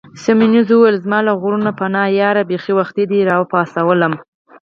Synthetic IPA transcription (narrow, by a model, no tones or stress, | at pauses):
saminuzwuwelzmɑlaɣuɾunapanɑjɑɾabexiwaxt̪id̪iɾɑwəpɑsawələm